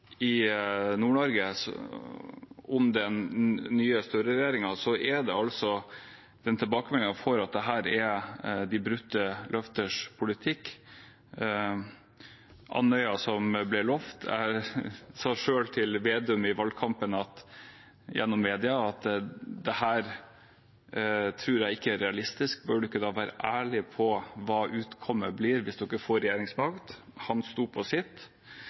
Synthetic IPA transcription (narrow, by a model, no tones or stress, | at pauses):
ɪnuːɳɔɾɡəs | ɔmd̪ɛnːyːəst̪œɾəɾɛjeːɾɪŋɑsɔʔɛd̪ɛɑlsɔ | d̪̥ɛnt̪ʰɪlbɑːkəmɛlːɪŋɑfɔɾɑt̪̚d̪ɛɦæːɾɛd̪ɪbɾʉt̪ːəlœft̪əʂpʰʊlɪt̪ʰɪkː | ʔɑ̰nœʏɑsɔmblɪɭɔft̪ʰæ̰ | sɑːʂøːlt̪ʰɪlʋeːd̪ʉmɪʋɑlkʰɑmpənɑt̪ | jʔɛ̰nːɔmːeːd̪ɪɑɑt̪d̪ɛhæːɾ | t̪ʰɾʉːɾjæɪɪkːəæɾɛɑlɪst̪ɪsk̚bœːɖʉɪkːəd̪ɑːʋæːɾə̰ʔæːɭɪpʰɔʋɑːʔʉːt̪kʰɔmːəbliːɾʋɪsd̪ɪkːəfoːɾɛjeːɾɪŋsmɑkt̪hɑnst̪uːpʰɔsɪt̪ː